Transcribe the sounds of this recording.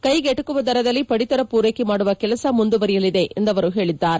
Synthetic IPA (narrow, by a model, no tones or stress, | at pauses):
kɐjɡɛʈːɯkːɯʋɐd̪ɐɾɐðɐlːipɐɽit̪ɐɾɐpuːɾeːkimaːɽɯʋɐkɛlɐsɐmund̪uʋɐɾɪjɐliðeʔend̪ɐʋɐɾuɦeːɭid̪ːaːɾ